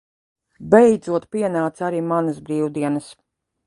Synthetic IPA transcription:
bɛjd̪zuɔt̪piɛnaːt̪saɾiːmanɐsbɾiːwd̪iɛnəs

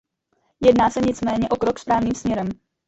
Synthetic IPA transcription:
jɛdnaːsɛɲɪt͡smɛːɲɛʔo̞kɾokspɾaːvniːmsmɲɛɾɛm

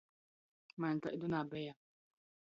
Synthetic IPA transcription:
mant̪aʔid̪unabɛja

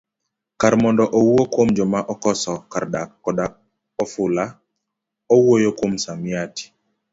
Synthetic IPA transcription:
kaɾmɔndɔʔɔwuokwomd͡ʒɔmaʔɔkɔsɔkaɾdakːɔdak̚ | ɔfʊla | ɔwuojokwomsamjati̥

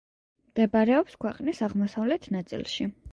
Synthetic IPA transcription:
md̪̥ɛbaɾɛɔpskʰwɛqʼnisaʁmɔsavlɛt̪ʰnat̪sʼḭlˠʃi

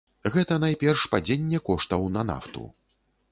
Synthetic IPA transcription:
ɣɛt̪ɐnajpʲɛrʂpad͡zʲenʲːɛkɔʂt̪ɐwnɐna̰ft̪ṵ

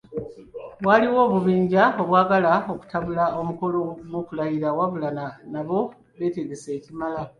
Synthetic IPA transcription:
βwaliwo̞ːβuβiːɲɟao̞βwaːɡalao̞ku̥taβulao̞muko̞lo̞mukulaiɾawaβulananaβo̞ | βe̞ːteɡese̞ːcimala

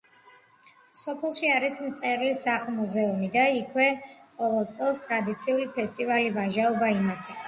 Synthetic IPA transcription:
sɔpʰɛlˠʃiaɾismt̪sʼɛɾlisaχlˠmuzɛumid̪aikʰwɛqʼɔvɛlˠd̪t̪sʼɛlˠst̪ʼɾad̪it̪sʰiulipʰɛst̪ʼivalivaʒaɔbaimaɾt̪ʰa

